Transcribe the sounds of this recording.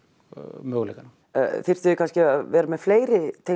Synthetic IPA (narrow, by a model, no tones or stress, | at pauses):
mœːɣlejkan̰ | fɪr̥t̪ɪɪkʰanscɪaðvɛːɾamɛðfleːjɾɪt̪ʰe